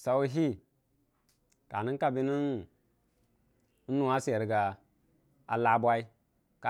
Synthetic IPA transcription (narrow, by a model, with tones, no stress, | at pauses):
sa˨wu˦ɦi˦ | ka˨ni˦nka˦bi˦ni˦n | n̩˦nu˨a˦se˨ɾɡa˨ | a˨la˨bʷa˦i˦ | ka˨